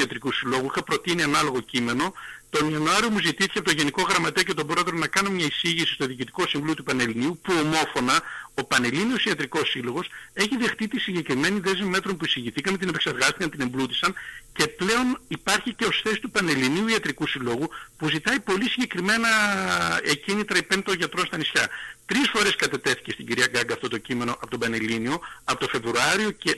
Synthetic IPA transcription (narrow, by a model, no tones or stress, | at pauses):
ɐt̪ɾikusilo̞ɣuixɐpɾo̞t̪inienɐlo̞ɣo̞cime̞no̞t̪o̞niɐnuɐɾiomuzit̪iθi̥ceɐpot̪oʝe̞niko̞ɣɾɐmɐt̪e̞oce̞t̪o̞bɾo̞et̪ɾonɐkɐnomɲɐisiʝisi̥st̪o̞ðiːcit̪i̥ko̞siɱvulot̪upɐne̞liniupuo̞mo̞fo̞nɐo̞pɐne̞linio̞siɐt̪ɾiko̞silo̞ɣo̞se̞çiðe̞xt̪it̪isiɲɟe̞kɾime̞niðe̞zmime̞t̪ɾo̞npuisiʝiθikɐmet̪inepe̞kseɾɣɐst̪ikɐnt̪ine̞mblut̪isɐnce̞ple̞o̞nipɐɾçice̞osθe̞si̥t̪upɐneliniuiɐt̪ɾikusilo̞ɣupuzit̪ɐipo̞lisiɲɟe̞kɾime̞nɐ | ecinit̪ɾɐipent̪o̞nʝɐt̪ɾo̞nst̪ɐnisçɐt̪ɾisfo̞ɾe̞skɐt̪e̞t̪e̞θi̥ce̞st̪iɲɟiɾiɐɡɐɡɐft̪o̞t̪o̞cime̞no̞ʔɐpo̞t̪o̞bɐne̞linio̞ɐpo̞t̪o̞fe̞vɾuɐɾio̞ce̞